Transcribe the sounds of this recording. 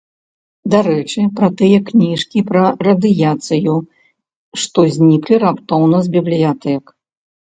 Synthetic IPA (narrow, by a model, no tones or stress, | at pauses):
d̪aɾɛt͡ʂɨpɾɐt̪ɨjɐknʲiʂkʲipɾɐrɐd̪ɨjat̪sɨju | ʂt̪ɔzʲnʲiklʲirapt̪ɔwnɐzbʲiblʲijat̪ɛk